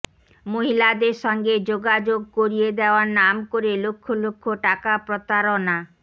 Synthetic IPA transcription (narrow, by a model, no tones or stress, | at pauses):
moɦilad̪eɾʃɔŋɡed͡ʑoɡad͡ʑoɡ̚koɾied̪eoaɾnamkoɾelokʰːolokʰːoʈakapɾot̪aɾona